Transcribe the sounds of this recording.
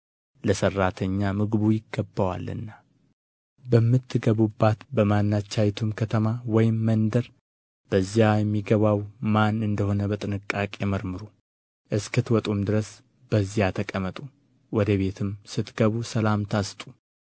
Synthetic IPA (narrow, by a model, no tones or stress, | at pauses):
ləsərːat̪ʰəɲːamɨɡɨβujɪɡːəbːəwa̰lːɨ̰nːa | bəmːɨt̪ʰːɨɡəβubːat̪bəmanːat͡ʃːajt̪ʰumkʰət̪ʰəmawɔjɪmːənd̪əɾ | b̥əzːjajɛmːiɡəβawmanɨnd̪əho̞nəbət̪ʼɨnɨkʼːakʼjɛməɾmɨɾu | ʔɨskɨt̪wɔt̪ʼumd̪ɨɾəs | b̥əzːjat̪ʰəkʼəmət̪ʼu | wɔd̪əβe̞t̪ʰɨmsɨt̪ɡəβusəlamt̪ʰast̪ʼu